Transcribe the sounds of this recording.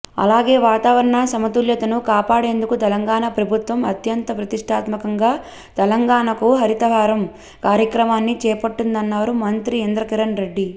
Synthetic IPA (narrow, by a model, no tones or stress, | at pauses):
ɐ̰laːɡe̞ːʋaːt̪aːʋɐɾɐɳasɐmɐt̪uljɐt̪ɐnukaːpaːɽe̞ːnd̪ukut̪ɛlɐŋɡaːɳapɾɐbʱut̪ʋɐmɐt̪jɐnt̪ɐpɾɐt̪iʂʈʰaːt̪mɐkɐŋɡaː | t̪ɛlɐŋɡaːɳɐkuɦɐɾit̪ɐʋaːɾɐm | kaːɾjɐkɾɐmaːnːit͡ʃɛːpɐʈːund̪ɐnːaːɾumɐnt̪ɾiend̪ɾɐkiɾɐnɾe̞ɖːi